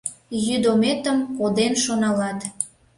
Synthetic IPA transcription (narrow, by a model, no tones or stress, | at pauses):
jyd̪omet̪əmkod̪enʃonɑlɑt̪